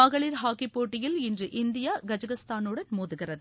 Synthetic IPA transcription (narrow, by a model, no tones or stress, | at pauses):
ɐɣɐɭiːɾɦaːkːipːoːʈːɪjɪlɪndrɯʔɪnd̪ɪjaːɡɐd͡ʒɐɣɐst̪aːnɯɽɐnmoːðɯɣɪrɐðɯ